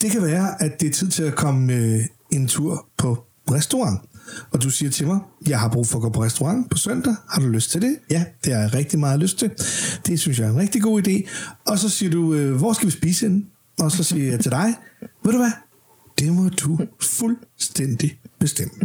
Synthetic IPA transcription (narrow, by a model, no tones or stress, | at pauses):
d̥e̝kʰæʋæːɐʔædd̥e̝æɐt͡sʰið̞̰ˠt͡sʰe̝lækʰɒ̽məø | e̝nt͡sʰuɐ̰pʰɒ̽ | ʁɛsd̥o̝ʁɑ̈ŋɒ̽d̥usiːɐt͡sʰe̝lmɑ̈ɪjɑ̈ɪɦɑ̈b̥ʁṵːfɒ̽ɡ̥o̰ːpʰɒʁɛsd̥oʁɑ̈ŋ̰pʰɒ̽sœn̰d̥ɐhɑ̈d̥uløsd̥̚t͡sʰe̝ld̥e̝jæd̥e̝hɑ̈ʁɛɡ̥̚d̥imɑ̈ːðˠløsd̥̚t͡sʰe̝ld̥e̝syns̬jɑ̈æenʁɛɡ̥̚d̥iɡ̥o̝̰ːid̥e̝̰ːɒ̽sɒ̽siːɐd̥uøʋɒ̰ːsɡ̥æʋisb̥iːsen | ɒ̽sɒ̽siɐjɑ̈ɪt͡sʰe̝d̥ɑ̈ɪʋæðˠd̥uʋæ | d̥e̝ʋɑd̥ufulsd̥en̰d̥ib̥e̝sd̥em̰d̥